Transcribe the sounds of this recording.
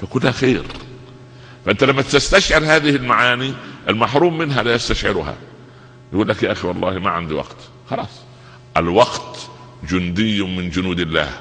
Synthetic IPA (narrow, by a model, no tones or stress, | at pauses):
fækʊlhæxeːɾ | fæʔɪnt̪ælamːæt̪ɪst̪aʃʕɪɾhaːðɪhɪlmaʕaːniʔɪlmaħɾuːmːɪnɦælajast̪aʃʕɪɾʊhæ̰ | jɪɡuːlːakjaʔaxiwɑlˤːɑːhmaʕa̰nd̪iwɑ̰qt̪ | xɑlɑːsˤ | ʔɪlwɑɡt̪ | d͡ʒʊnd̪ɪjːʊmɪnd͡ʒʊnuːd̪ɪlːa̰ːh